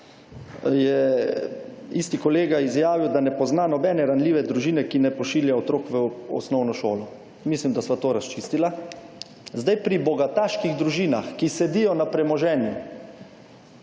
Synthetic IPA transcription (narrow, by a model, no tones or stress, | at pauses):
jɛ | ist̪ikɔleːɡaizjaːʋiwd̪anɛpɔznaːnɔbɛːnɛɾanliːʋɛd̪ɾuʒiːnɛkinɛpɔʃiːljaɔt̪ɾoːkʋəɔ̰snɔwnɔʃoːlɔ | mislimd̪asʋat̪oːɾast͡ʃiːst̪ila | zd̪ajpɾibɔɡat̪aʃkiɣd̪ɾuʒiːnaxkisɛd̪ijɔnapɾɛmɔʒɛːnju